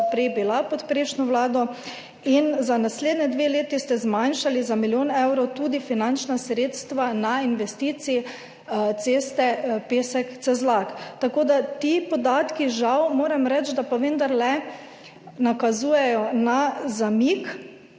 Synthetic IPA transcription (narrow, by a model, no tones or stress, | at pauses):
pɾɛjbilapɔt̪pɾeːʃnɔʋlaːd̪ɔ | inzanasleːd̪nɛd̪ʋeːleːt̪ist̪ɛzmanʃalizamiljoːnɛwɾɔt̪uːd̪ifinant͡ʃnasɾeːt̪st̪ʋanainʋɛst̪iːt̪si | t̪seːst̪ɛpeːsɛkt̪sɛzlakt̪akoːd̪at̪ipɔd̪aːt̪kiʒawmoːɾɛmɾɛt͡ʃd̪apaʋend̪aɾlɛ | nakazuːjɛjɔnazamiːk